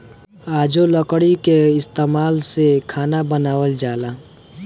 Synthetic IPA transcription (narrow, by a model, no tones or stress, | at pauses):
aːd͡ʒoləkɽikeɪst̪eːmaːlsekʰaːnabənaːwəld͡ʒaːlaː